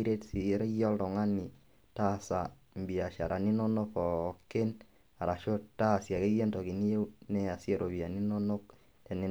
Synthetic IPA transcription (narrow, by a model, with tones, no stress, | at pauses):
ɾe˦tsi˨˦ɾe˦jɔ˦ltɔ˨ŋa˦ni˨ | ta˦sa˨ | mbi˨a˨ʃa̰˨ɾa˨ni˦nɔ˦no˦pɔ˨kːe˦n | a˨ɾa˨ʃo˦ta˦˨sja˨ke˦je˦ntɔ˨ki˨ni˦je˦wnɛa˨sje˦˨ɾo˨βi˨a˨ni˦no˦no˦k̚ | tɛ˨ni˨